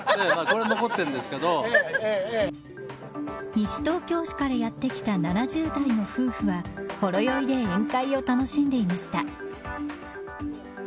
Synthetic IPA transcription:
nemaːko̞ɾe̞no̞ɡo̞t̪ːẽ̞nd̪esɨ̥ke̞d̪o | ɲ̟iɕi̥t̪o̞ːkʲo̞ːɕi̥kaɾajat̪ːe̞kʲi̥t̪ananaʑɨːd̪aino̞ɸɯ̟ːɸɯ̟βaho̞ɾo̞jo̞id̪e̞ẽŋkaio̞t̪ano̞ɕĩnd̪e̞imaɕi̥t̪a

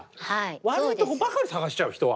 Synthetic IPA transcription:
haiβaɾɯĩokobakaɾisaɡaɕi̥t͡ɕaɯ̟çi̥t̪o̞βa̰

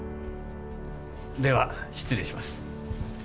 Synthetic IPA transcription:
d̪e̞βaɕi̥t͡sɨɾeɕimasɨ̥

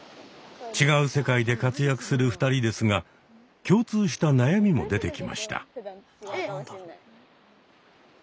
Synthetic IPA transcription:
t͡ɕiɡaɯ̟se̞kaid̪e̞kat͡sɨjakɯ̟̥sɨɾɯɸɯ̥t̪aɾʲid̪e̞sɨɡa | kʲo̞ːt͡sɨːɕi̥t̪anajamʲimo̞̰d̪e̞t̪e̞kʲima̰ɕi̥t̪ʰa̰

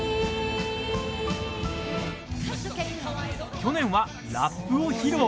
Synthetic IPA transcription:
kʲo̞nẽ̞ɰ̃βa | ɾapːɯ̟oçiɾo

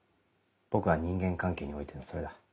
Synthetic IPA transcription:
b̥o̞kɯ̟βaɲ̟ĩŋɡẽ̞ŋkãŋke̞ːɲio̞it̪enoso̞ɾe̞d̪a

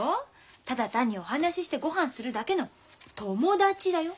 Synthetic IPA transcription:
o | t̪ad̪at̪ãɲ̟ːio̞ɦanaɕiɕi̥t̪e̞ɡo̞ɦãɰ̃sɨɾɯ̟d̪ake̞no̞ | t̪o̞mo̞d̪at͡ɕid̪ajo̞

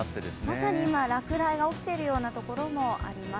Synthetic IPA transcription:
t̪ːed̪esmasaɲ̟iimaɾakɯ̟ɾaiɡao̞kʲi̥t̪e̞ɾɯ̟jo̞ːnat̪o̞ko̞ɾo̞mo̞ʔa̰ɾʲima

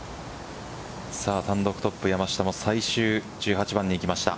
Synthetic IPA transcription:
saːt̪ãnd̪o̞kɯ̟t̪o̞pːɯjamaɕi̥t̪amo̞saiɕɨː | d͡ʑɨːhat͡ɕibãɲ̟ːiːkʲimaɕi̥t̪a̰

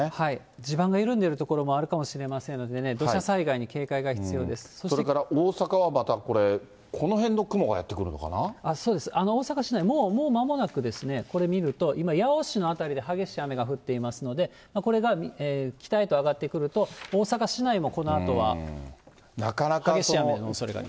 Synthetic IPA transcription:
hai | d͡ʑibãŋɡaiɾɯ̟̃nd̪e̞ɾɯ̟t̪o̞ko̞ɾo̞mo̞aɾɯ̟kamo̞ɕiɾe̞masẽ̞nːo̞d̪ene̞d̪o̞ɕasaiɡaiɲ̟ike̞ːkaiɡaçi̥t͡sɨjo̞ːd̪e̞sɨ̥soɕsoɾekaɾaʔoːsakaβamat̪ako̞ɾe̞ | kʰo̞no̞ɦẽ̞nːo̞kɯ̟mo̞ɡa̰ja̰t̪ːekɯ̟ɾɯ̟no̞ka̰naaso̞ːd̪e̞sɨ̥ano̞oːsakaɕinaimo̞ːmo̞ːmamo̞nakɯ̟d̪e̞sɨne̞ko̞ɾe̞mʲiɾɯ̟t̪o̞ʔimajaoɕino̞at̪aɾʲid̪e̞ɦaɡe̞ɕiame̞ɡaɸɯ̟t̪ːe̞imasɨno̞d̪e̞ | mako̞ɾe̞ɡamʲiekʲi̥t̪ait̪o̞aɡat̪ːe̞kɯ̟ɾɯ̟t̪o̞oːsakaɕinaimo̞ko̞no̞at̪o̞β̞a̰ | nakanakhaɡesɕiamenosoɾeɡa̰

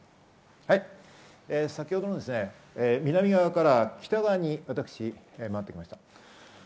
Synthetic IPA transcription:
hai | esakʲiho̞d̪o̞nod̪esɨne̞ | emʲinamʲiɡaβakaɾakʲʰi̥t̪aɡaɲ̟iβat̪akɯ̥ɕimaat̪ːe̞kʲimaɕi̥t̪ḁ

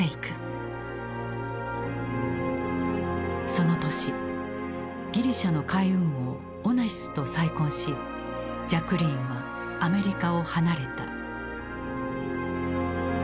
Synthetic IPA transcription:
eikɯ̟̥ | so̞no̞t̪o̞ɕi | ɡʲiɾʲiɕano̞kaiɯ̟̃ɰ̃o̞ː | naçi̥sɨ̥t̪o̞saikõɰ̃ɕi | d͡ʑakɯ̟ɾʲĩɰβaː | me̞ɾʲikao̞hanaɾe̞t̪a̰

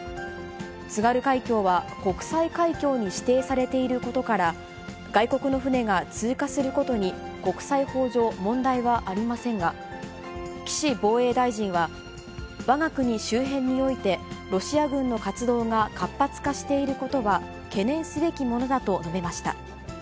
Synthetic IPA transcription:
t͡sɨɡaɾɯ̟kaikʲo̞ːβako̞kɯ̟̥saikaikʲo̞ːɲ̟iɕi̥t̪e̞ːsaɾe̞t̪e̞iɾɯ̟ko̞t̪o̞kaɾa | ɡaiko̞kɯ̟no̞ɸɯ̟ne̞ɡat͡sɨːkasɨɾɯ̟ko̞t̪o̞ɲ̟i | ko̞kɯ̟̥saiho̞ːʑo̞ːmõ̞nd̪aiβaʔaɾʲimasẽ̞ŋɡa | kʲi̥ɕibo̞ːe̞ːd̪aiʑĩɰ̃βa | βaɡakɯ̟ɲ̟iɕɨːɦẽ̞ɲ̟ːio̞it̪e̞ɾo̞ɕiaɡɯ̟̃nːo̞kat͡sɨd̪o̞ːɡakapːat͡sɨ̥kaɕi̥t̪e̞iɾɯ̟ko̞t̪o̞βa | ke̞nẽ̞ɰ̃sɨbe̞kʲimo̞no̞d̪at̪o̞no̞be̞maɕi̥t̪a̰

